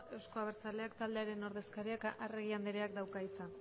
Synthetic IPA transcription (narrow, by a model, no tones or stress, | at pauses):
e̞wsko̞aβ̞e̞ɾt͡sale̞akt̪ald̪e̞aɾe̞no̞ɾðe̞skaɾiakʔareɣ̞iand̪eɾe̞akd̪awkait͡sa